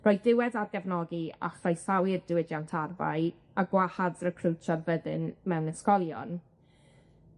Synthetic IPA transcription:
rɔɨd̥ɪwɛðadɡɛvnɔɡia̰χrɔjsawɪrdɪwɪdjantʰarva̰j | aɡwahaðrəkʰrəwt͡ʃʰarvəðɪnmɛwnɛskɔlˠjɔ̰n

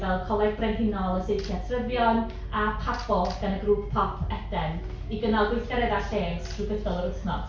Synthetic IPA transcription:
vɛlˠkʰɔlˠɛθbrɛnɦɪnɔlˠəsejkʰjasʰrəvjɔn | apʰapɔɡ̥anəɡruːp̚ʰpʰɔpʰɛdɛn | iɡənalˠɡwɪθaɾɛðaɬeːɡstʰruɡəθdɔlˠəɾʊθnɔ̰d̥

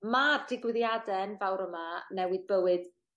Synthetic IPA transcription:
mard̥ɪɡwɪðjadɛnvawɾəmanɛwɨðbəwɨð̥

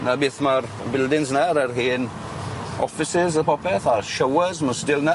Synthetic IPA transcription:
nabɪːθmar | bɪlˠdɪnznaɾərɦiːn | ɔ̰fɪsɪzəpʰɔpʰɛθarʃəwəzməsdɪlˠna

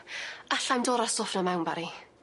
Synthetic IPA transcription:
aɬamdoːɾasʊfnɔmawnbaɾi

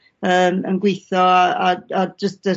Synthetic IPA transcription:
əːmə̰nɡwejθɔaaad͡ʒəstə

